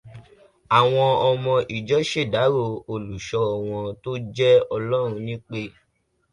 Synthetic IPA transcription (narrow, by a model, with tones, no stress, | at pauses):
a˨w̃ɔ̃˧ɔ˧mɔ̃˧ʔi˨d͡ʒɔ˨˦ʃe˦˨da˨˦ɾo˦˧˨o˧lu˨ʃɔ˧˦ɔ˨w̃ɔ̃˧to˦d͡ʒɛ˦ɔ˧lɔ˦ɾ̃ũ˧nĩ˦k͡pe˦